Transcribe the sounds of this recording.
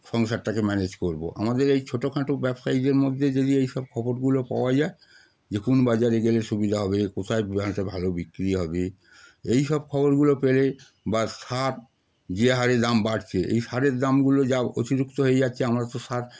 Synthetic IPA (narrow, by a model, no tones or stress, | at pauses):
ʃɔŋʃaʈ̚ʈakemɛned͡ʑkoɾbo̰ʔa̰mad̪eɾejt͡ɕʰoʈokʰãʈobɛbsajʈeɾmod̪ʱːed͡ʑed̪iejʃɔb̚kʰɔboɾɡulopa̰oad͡ʑae | d͡ʑekunbad͡ʑaɾeɡeleʃubid̪ʱaɦɔbekot̪ʰaebibãʈabʱalobikɾiɦɔbe | ejʃɔb̚kʰɔboɾɡulopele | baʃaɾ | d͡ʑeɦaɾed̪ambaɽt͡ɕʰeʔḛjʃaɾeɾd̪amɡulod͡ʑao̰t̪iɾukt̪oɦoed͡ʑatːɕʰeamɾat̪oʃaɾ